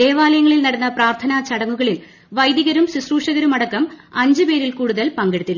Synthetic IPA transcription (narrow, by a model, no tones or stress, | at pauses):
e̞ːʋaːlɐjɐŋːɐɭilnɐɽɐnːɐpraːrt̪ʰɐnat͡ɕɐɽɐŋːuɣɐɭil | ʋɐjd̪iɣɐɾumsisruːʂɐɣɐɾumɐɽɐkːɐmɐɲd͡ʑɨpe̞ːɾilkuːɽuðɐlpɐŋɡeɽut̪ːilː